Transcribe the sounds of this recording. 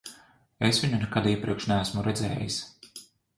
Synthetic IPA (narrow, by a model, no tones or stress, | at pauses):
esvʲiɲunɛkad̪iɛpɾiɛkʃnææsmuɾɛd̪zɛ̰ːjis